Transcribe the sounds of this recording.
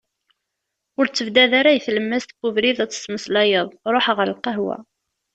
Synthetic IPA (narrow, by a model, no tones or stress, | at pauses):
ʊɾt͡sːəvd̪æðaɾajθləmːæst̪buvɾiðæt͡sːə̥sməslɑjəðˤɾˤoħʁəɾlqəɦwæ̰